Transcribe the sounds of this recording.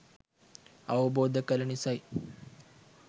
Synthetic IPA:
ɐwɐboːd̪ʱɐkɐlɐɳisɐj

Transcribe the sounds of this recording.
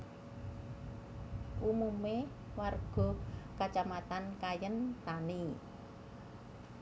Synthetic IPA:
ʔumume | warɡ̥ɔ̤kat͡ʃamat̪ankajənt̪ani

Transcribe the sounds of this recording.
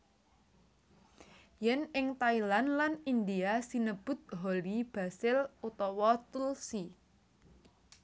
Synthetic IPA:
jɛnɪŋt̪ailanlanind̪iasinəb̥ʊ̤t̪̚ɦolib̥a̤sɪlut̪ɔwɔt̪ulsi

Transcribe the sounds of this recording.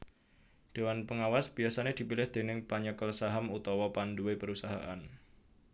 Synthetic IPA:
d̪̥e̤wanpəŋawasb̥iasaned̪̥i̤pilɪhd̪̥e̤nɪŋpaɲəkəlsaɦamut̪ɔwɔpanduepəɾusaɦa̰ʔa̰n

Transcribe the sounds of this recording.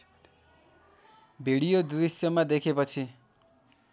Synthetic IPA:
bʱiɽijod̪uɾisjʌmad̪ekʰepʌt͡sʰi

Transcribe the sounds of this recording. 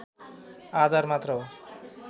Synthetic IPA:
ad̪aɾmat̪ɾo

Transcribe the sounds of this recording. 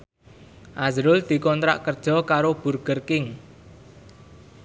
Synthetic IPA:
ʔazɾʊld̪̥i̤kɔnt̪ɾa̰ʔkərd̥ʒ̥ɔ̤kaɾob̥urɡ̥ərkɪŋ

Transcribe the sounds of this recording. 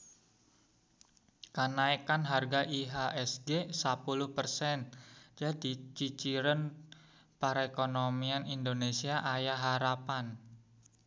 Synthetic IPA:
kənaikanɦarɡaʔiɦaʔɛsɡesapuluhpərsɛnd͡ʒadi̤t͡ʃit͡ʃiɾən | paɾaekonomianind̪onesiaʔajaɦaɾapan

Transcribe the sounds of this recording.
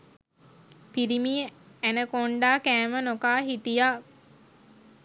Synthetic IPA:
piɾimiænəkoɳɖaːkæːmənokaːɦit̪ija

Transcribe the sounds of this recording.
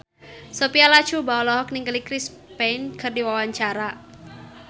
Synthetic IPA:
sopialḁt͡ʃubawɔlɔɦɔk̚niŋɡəlikɾis | penkʰɨrdiwawaɲt͡ʃaɾa

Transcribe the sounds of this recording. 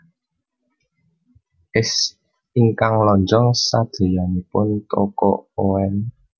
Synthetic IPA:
ʔɪs | iŋkaŋlɔɲd͡ʒɔŋsad̪̥e̤janipʊnt̪ɔkɔ̰ʔoɛn

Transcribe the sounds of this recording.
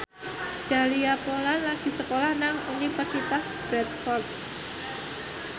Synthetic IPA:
d̥a̤liapolanlaɡ̥i̤səkolahnaŋunifərsit̪asb̥ɾɛt̪̚fɔrt̪̚

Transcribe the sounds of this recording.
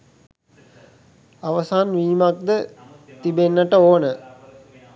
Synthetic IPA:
aʋəsaːnʋiːmak̚d̪ə | t̪ibenːəʈəoːnə

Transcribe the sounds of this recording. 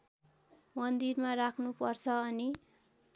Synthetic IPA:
mʌnd̪irmarakʰnupʌrt͡sʰʌːni

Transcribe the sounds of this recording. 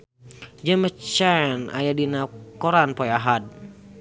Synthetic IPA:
d͡ʒəmət͡ʃana̰jadinakɔɾanpɔjaɦat̪̚

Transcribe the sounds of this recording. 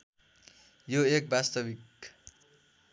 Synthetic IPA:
joek̚bast̪ʌbik

